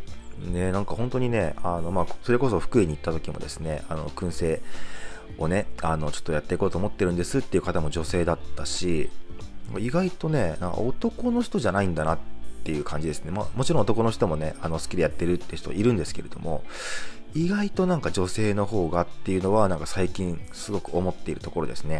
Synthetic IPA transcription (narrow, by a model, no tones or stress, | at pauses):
ne̞nãŋkahõnt̪o̞ɲ̟ine̞ano̞maːso̞ɾe̞ko̞so̞ɸɯ̟̥kɯeɲ̟it̪ːat̪o̞kʲimo̞̰d̪e̞sɨ̥ne̞̰ano̞̰kɯ̟̃ɰ̃se̞ː | o̞ne̞ano̞t͡ɕo̞̥t̪ːo̞jat̪ːe̞iko̞ːt̪oːmo̞t̪ːe̞ɾɯ̟nd̪e̞sɨt̪ːe̞iɯ̟kat̪amo̞ʑo̞se̞ːd̪at̪ːaɕi | aŋkaiɡait̪o̞ne̞nã̰ŋka̰o̞t̪o̞ko̞no̞çi̥t̪o̞ʑanaĩnd̪anat̪ːe̞jɯ̟ːkʰãɲd͡ʑid̪e̞sɨne̞ma̰mo̞t͡ɕiɾõːt̪oko̞no̞çi̥t̪o̞mo̞ne̞ano̞sɨ̥kʲid̪e̞jat̪ːe̞ɾɯ̟t̪ːeço̥t̪o̰ʔiɾɯ̟̃nd̪e̞sɨ̥ke̞ɾe̞d̪̥o̞̰mʔo̞̰ | iɡait̪o̞nãŋkad͡ʑo̞se̞ːno̞ho̞ːɡat̪ːe̞jɯ̟no̞βanãŋkasaikʲĩɰ̃sɨɡo̞kɯ̟o̞mo̞t̪ːe̞iɾɯ̟t̪oko̞ɾo̞d̪e̞sɨne̞